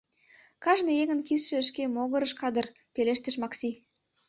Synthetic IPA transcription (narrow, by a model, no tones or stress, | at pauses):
kɑʒnəeɣə̆nkisʃɘ̆ə̆ʃkemoɣə̆ɾə̆ʃkɑd̪ə̆r | peleʃt̪ə̆ʃmɑksʲi